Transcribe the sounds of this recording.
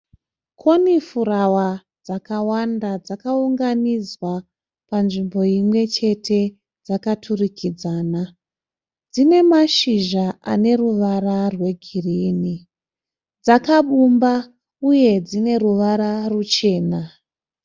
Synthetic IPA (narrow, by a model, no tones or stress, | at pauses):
kʰo̞nifuɾawa | d͡zakawandad͡zakauŋɡanid͡zwa | panʐimbo̞imwe̞t͡ʃe̞tʰe̞ | d͡zakatʰurikʰid͡zaːna | d͡zine̞maʃiʒaane̞ruʋararwe̞ɡʱiriːni | d͡zakaɓumba | uje̞d͡zine̞ruʋaɾarut͡ʃe̞ːna